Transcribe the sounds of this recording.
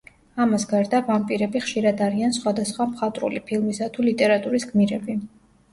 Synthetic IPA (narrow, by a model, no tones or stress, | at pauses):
amasɡaɾd̪avampʼiɾɛbiχʃiɾad̪aɾiansχwad̪asχwamχat̪ʼɾṵlipʰilˠmisat̪ʰulit̪ʼɛɾat̪ʼuɾisɡmiɾɛbi